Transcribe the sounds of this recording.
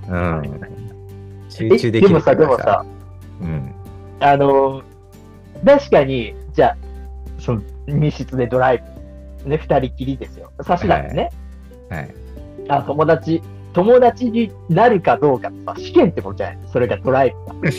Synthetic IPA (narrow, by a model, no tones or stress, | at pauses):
ɯ̃ | ɕɨːeɨːd̪ed̪e̞mo̞sad̪e̞mo̞sa̰ | ɯ̃ | ano̞ | t̪aɕi̥kaɲ̟id͡ʑaːsomʲiɕɨt͡sɨd̪e̞d̪o̞ɾaibɯne̞ɸɯ̟̥t̪aɾʲikʲiɾʲid̪e̞sɨjo̞saɕid̪a̰t̪ːne̞ | a̰j | at̪o̞mo̞d̪at͡ɕi | t̪o̞mo̞d̪at͡ɕiɲ̟i | naɾɯ̟kad̪o̞ːkat̪e̥sa̰ɕi̥kẽ̞nt̪ːekot͡ɕa̰eso̞ɾeɡad̪o̞ɾaibɯɡa